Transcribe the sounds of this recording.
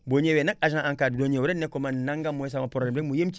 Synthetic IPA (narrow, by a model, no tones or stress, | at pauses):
boɲewenakaʒããŋkaddoɲewuɾenːekomannaŋɡamːoes̬amapoɾɾemdekmujemt͡ʃ